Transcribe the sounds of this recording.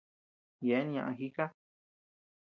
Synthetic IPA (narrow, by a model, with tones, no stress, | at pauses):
je˨˦ñ˧ã˧ʔã̰˧xi˦ka˦